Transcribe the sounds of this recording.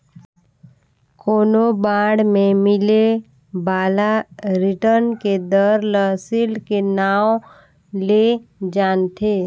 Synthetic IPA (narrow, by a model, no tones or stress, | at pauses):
koːnobaːɽmẽmɪle | baːlaɾɪʈəɾnked̪əɾləsɪlkenaːo | led͡ʒaːnt̪ʰe